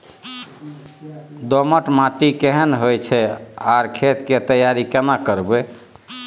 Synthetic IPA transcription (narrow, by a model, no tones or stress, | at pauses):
d̪oməʈmãʈikeɦənɦojt͡ʃʰɛaɾkʰet̪ket̪əjaɾikenakəɾbe